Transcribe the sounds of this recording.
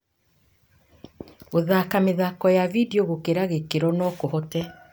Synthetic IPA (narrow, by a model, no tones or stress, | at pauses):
oðakameðakɔjavidioɣokeɾaɣekeɾɔnɔkohɔtɛ